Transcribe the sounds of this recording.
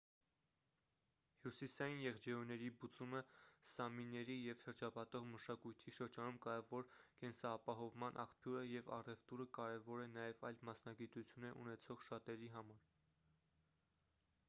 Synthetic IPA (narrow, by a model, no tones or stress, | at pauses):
hjusisɑjinjɛʁd͡ʒɛujnɛɾibut͡suməsɑminːɛɾijɛvʃəɾt͡ʃʰɑpɑt̪ɔʁməʃɑkujt̪ʰiʃəɾd͡ʒɑnumkɑjɑvɔɾkɛnsɑːpɑɦɔvmɑnʔɑ̰χpʰjuɾəjɛvɑ̰rɛvt̪uɾəkɑɾɛvɔɾɛnɑjɛvɑjlmɑsnɑɡit̪ut͡sʰjunɛʔṵnɛt͡sʰɔʁʃɑt̪ɛɾiɦɑmɑɾ